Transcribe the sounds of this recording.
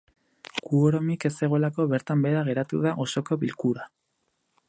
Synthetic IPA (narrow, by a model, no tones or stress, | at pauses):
kuoɾomike̞se̞ɣ̞o̞lako̞βe̞ɾt̪ambe̞ðaɣ̞e̞ɾat̪ṵðaʔo̞so̞ko̞βilkuɾa